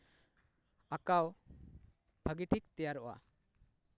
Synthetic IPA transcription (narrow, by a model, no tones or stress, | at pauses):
akaw | bʱəɡiʈik̚t̪ɛjaɾɔʔwa̰